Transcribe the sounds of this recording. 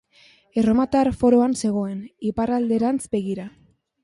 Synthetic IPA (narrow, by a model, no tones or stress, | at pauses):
eromat̪aɾfo̞ɾo̞anse̞ɣ̞o̞e̞niparald̪e̞ɾant͡sbe̞ɣ̞iɾa